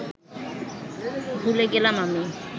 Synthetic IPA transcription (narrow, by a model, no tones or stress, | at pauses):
bʱuleɡelamami